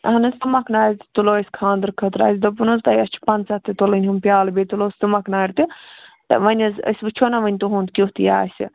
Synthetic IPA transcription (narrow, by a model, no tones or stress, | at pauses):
ɦɐnɨst̪umɐkʰnaːɾʲt̪ɨ̥t̪uloːsʲkʰãːnd̪ɨɾkʰɐt̪ɾa̰ːsʲd̪ɐp̬unɐzt̪ajɐst͡ʃʰi̥pɐnt͡sɐt̪ɨt̪olɐnʲɦumpʲjaːlbet̪uloːsʲt̪umɐkʰnaːɾʲt̪ɨt̪ɐ̰ʋɐnʲɐzə̰sʲbɨt͡ʃʰonɐʋɐnʲt̪uɦũːnd̪kʲiɦt̪ija̰ːsʲɨ̰